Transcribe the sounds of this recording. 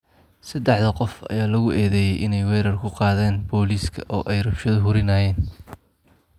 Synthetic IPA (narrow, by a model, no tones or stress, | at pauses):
sɐd̪ɛħðɐqɔfɐ̰jaːlɐɣʊʔɛːðɛːjɛjʔɪnɛjwɛːɾɐrkʰʊqɑːðɛːnbɔːliːskʰɐʔɔːʔɛjrɐbʃɐðʊɦʊɾɪnaːjɛːn